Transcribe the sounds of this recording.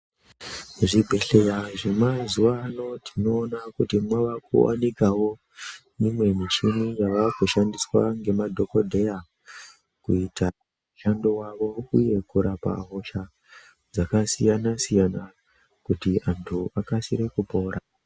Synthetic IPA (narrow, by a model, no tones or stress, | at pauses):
ʐibʱe̞ɬe̞jaʐe̞mazuʋano̞tʰino̞ːnakutimwaʋakṵwa̰nikawo̞ | mimwe̞mit͡ʃinijaʋakuʃandiswa̰ŋɡe̞madʱo̞ko̞dʱe̞ja | kuita | muʃandowaʋo̞uje̞kuɾapa̰ɦo̞ʃa | d͡zakasijanasijana | kutiʔantʰuakasiɾe̞kupo̞ːɾʔa